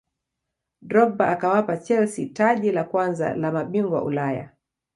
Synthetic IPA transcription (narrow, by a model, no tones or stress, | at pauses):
dɾɔɓaʔakawapat͡ʃɛlsitaʄilakwanza̰lamaɓiŋɡwa̰ʔṵlaja̰